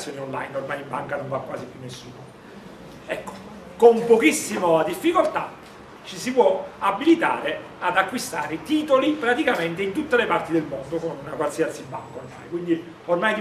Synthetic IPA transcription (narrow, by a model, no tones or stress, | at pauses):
sːjoːniɔnla̰jnormajibaŋkanoɱvakwaːsipjunːesːuːno | ɛkːo̥ | kompokisːimoad̪ifːikolt̪a | t͡ʃisipwɔabːilit̪a̰ːɾe | ad̪akːwist̪aːɾet̪iːt̪olipɾat̪ikament̪eint̪ut̪ːelepart̪id̪elmond̪okonunakwalsiat̪sibːa̰ŋkorma̰jkwind̪i | ormajd̪